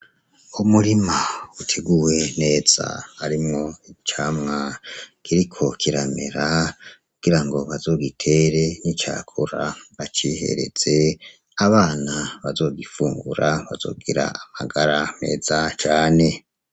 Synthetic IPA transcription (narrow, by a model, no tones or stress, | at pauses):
umuɾimautʰeɡuwe̞ne̞ːz̥a̰haɾimŋo̞it͡ʃaːmŋakʰiɾikʰo̞kʰiɾamḛɾakuɡ̥iɾaŋɡo̞βazo̞ːɡitʰe̞ɾe̞nit͡ʃa̰ːkʰuɾaβat͡ʃihe̞̰ɾe̞̰z̥e̞ | aβaːnaβazo̞ːɡifuːŋɡuɾaβazo̞̰ːɡiɾa̰amaɡaɾame̞̰ːz̥at͡ʃaːne̞